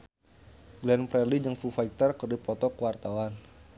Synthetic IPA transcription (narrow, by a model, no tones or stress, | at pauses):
ɡlɛnpɾɛlid͡ʒəŋfufajk̚t̪ərkərdipɔt̪ɔkəwart̪awan